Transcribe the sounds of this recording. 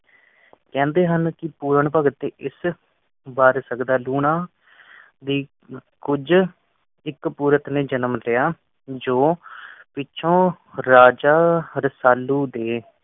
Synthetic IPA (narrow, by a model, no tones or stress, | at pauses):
kɛ̃ːnd̪eːɦənkɪpuːɾəɳpəɡət̪ːeːʔɪs | baːɾsəkd̪aːluːɳãː | d̪iː | kʊd͡ʒ | ɪkpuːɾət̪nẽːd͡ʒənəmlɪjaː | d͡ʒoːpɪːʃʰõː | ɾaːd͡ʒaːɾəsaːlːuːd̪eː